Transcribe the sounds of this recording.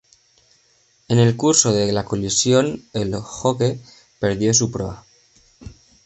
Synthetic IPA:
e̞ne̞lkuɾso̞ðe̞lako̞lisjo̞ne̞lxo̞ke̞ | pe̞ɾðjo̞s̬upɾo̞a

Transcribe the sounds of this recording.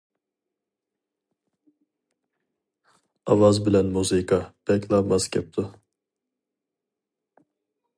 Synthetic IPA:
avazbilɛnmuzikab̥ɛklamascʲʰɛp̚t̪ʰʊ

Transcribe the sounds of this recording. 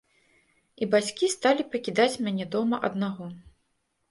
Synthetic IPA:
ibat͡sʲkʲist̪alʲipɐkʲid̪at͡sʲmʲanʲɛd̪ɔmɐʔɐ̰d̪naɣɔ

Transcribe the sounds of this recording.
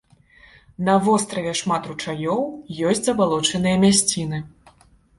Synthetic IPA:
n̪ɐvɔst̪ɾɐvʲɛʂmat̪ɾut͡ʂajɔwjɔsʲt͡sʲzɐbalˠɔt͡ʂɐnɨjɐmʲasʲt͡sʲinɨ

